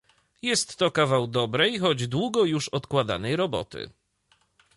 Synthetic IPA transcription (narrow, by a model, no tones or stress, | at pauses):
jɛst̪ːɔkavawd̪ɔbɾɛjxɔd͡ʑd̪wuɡɔjuʂɔt̪kwad̪a̰nɛjɾɔbɔ̰t̪ɘ̰